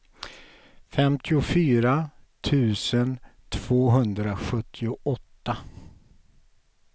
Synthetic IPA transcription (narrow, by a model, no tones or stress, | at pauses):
fɛmt̪ʰɪʊfyːɾat̪ʰʉ̟ːsənt̪ʰv̥oːɦɵnd̪ɾaɧɵt̪ʰːɪʊʔɔt̪ːa